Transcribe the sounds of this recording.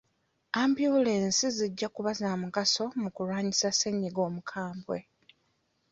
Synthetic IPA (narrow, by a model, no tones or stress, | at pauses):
ambjuleːnsiziɟːakuβazaːmuɡaso̞mukulwaːɲisase̞ɲːiɡo̞ːmukʰaːmbwe̞